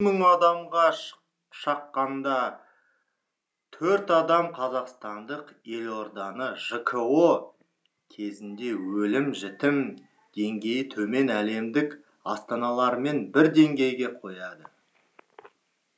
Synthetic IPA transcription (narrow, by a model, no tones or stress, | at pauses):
məŋɑd̪ɑmʁɑ | ʃɑqːɑnd̪ɑ | t̪ʰɵɾt̪ɑd̪ɑmqʰɑzɑqst̪ɑnd̪əqe̞lo̞ɾd̪ɑnəʒəkʰəo | kʲʰe̞zɪnd̪e̞wɵlɪmʒɪt̪ɪm | d̪̥e̞ŋɡʲe̞jət̪ʰɵme̞næle̞md̪ɪk | ɑst̪ɑnɑlˠɑɾme̞nbɪɾd̪e̞ŋɡʲe̞jɡʲe̞qʰo̞jɑd̪ə